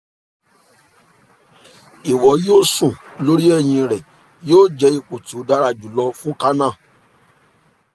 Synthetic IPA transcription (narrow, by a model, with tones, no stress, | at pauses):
i˨wɔ˨˦joː˦sũ˦˨lo˦ɾi˦ɛ˦˨j̃ĩ˧ɾɛ˨ | joː˦˨d͡ʒɛ˧˦i˧k͡po˨tu˨˦da˨˦ɾa˦˧˨d͡ʒu˨lɔ˧fũ˦ka˦nã˦˨